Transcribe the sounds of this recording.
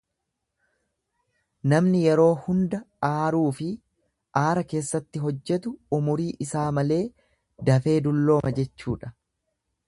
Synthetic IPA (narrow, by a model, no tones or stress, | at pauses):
nɐmnɪjɛɾo̞ːhʊnd̪ɐaːɾuːfɪ | ʔaːɾɐke̞ːsːɐt̪ːɪɦɔd͡ʒːɛt̪ʊʊmʊɾiːʔɪsaːmɐle̞ː | d̪ɐfe̞ːd̪ʊlːo̞ːmʔɐd͡ʒɛt͡ʃːṵːᶑɐ̥